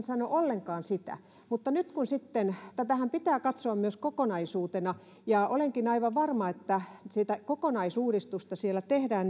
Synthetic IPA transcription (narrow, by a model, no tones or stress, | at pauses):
nsɑnoʔolːeŋkɑːnsit̪æ̰ | mut̪ːɑnyt̪kunsit̪ːent̪æt̪æhæmpit̪æːkɑt̪soɑmmyøskokonɑisuːt̪enɑ | jɑʔoleŋkinɑiʋɑʋʋɑrmɑet̪ːæsit̪ækokonɑisuːrist̪ust̪ɑsielːˑæt̪ehdæːn